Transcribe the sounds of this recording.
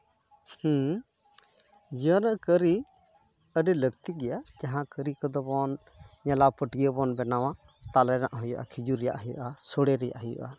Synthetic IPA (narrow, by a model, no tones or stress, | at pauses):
h̩ | d͡ʒiənəʔkəɾi | əɖɛləkt̪iɡɛjad͡ʒaɦãkəɾikəd̪ɔbɔnɲɛlapəʈijəbɔnbɛnawat̪alɛɾa̰ʔɦɔjɔʔa̰kʰid͡ʒuɾɛja̰ʔɦɔjṵʔasɔɽɛɾɛja̰ʔɦɔjṵʔa